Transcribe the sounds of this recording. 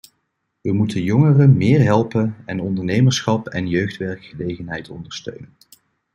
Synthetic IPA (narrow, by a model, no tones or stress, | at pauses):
ʋəmutənjɔŋərəmɪːɹɦɛlˠpənɛnɔndəɹnejməɹsχɑpɛnjøɥχtʋɛɹkχəlejχənɦɛjtɔndəɹstø̰ɥnən